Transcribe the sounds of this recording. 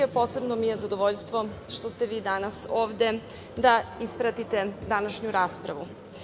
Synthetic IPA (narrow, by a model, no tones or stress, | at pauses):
epo̞ːse̞bnomijezad̪oʋoʎst̪ʋoʃt̪ost̪e̞ʋiːd̪anaso̞ːʋd̪e̞ | d̪aispɾat̪it̪e̞d̪anaʃɲuɾaːspɾa̰ʋu